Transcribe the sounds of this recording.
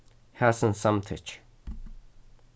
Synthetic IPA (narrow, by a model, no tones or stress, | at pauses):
hasə̃nsãmt̪ʰɪ̰t͡ʃ